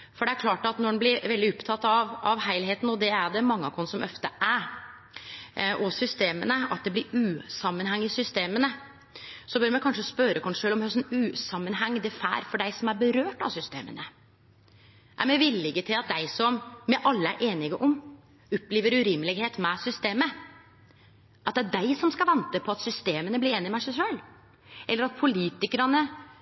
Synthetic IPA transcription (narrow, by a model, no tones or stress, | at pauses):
fɔɖɛæɾkʰlɑːʈɑt̪nɔɖɛnblɪɾʋɛld̪ɪʊpt̪ʰɑt̪ːɑʋɑʋhæɪlheːt̪n̩ɔd̪ɛæɖɛmɑŋːɑkʰɔnsɔmʔœ̰ft̪əʔæɾ | ʔɔsʏst̪eːmənəɑt̪̚d̪ɛblɪɾʉːsɑmːənɦæŋːɪsʏst̪eːmənə | sɔbœːɾmɛkɑnʂəspœɾəkʰɔnʂøːlɔmhœsnʉːsɑmːənɦɛŋːd̪ɛfæ̰ːɾfɔɖæɪsɔmæɾbəɾøːʈɑ̰ʋsʏst̪ḛːmə̰nə | ʔæ̰ɾmɛʋɪlːɪɡət̪ʰɪlɑt̪̚d̪æɪsɔmːɛʔɑlːəæɾʔeːnɪɡəʔɔm | ʊpːliːʋəɾʉɾɪmːlɪɡheːt̪mɛsʏst̪eːmə | ʔɑt̪̚d̪ɛæd̪æɪsɔmskɑʋɛnt̪əpʰɔɑt̪sʏst̪eːmənəblɪɾeːnɪmæɪʂæɪʂøːl | ɛlːəɾɑt̪̚pʰʊliːt̪ɪkəɾɑnə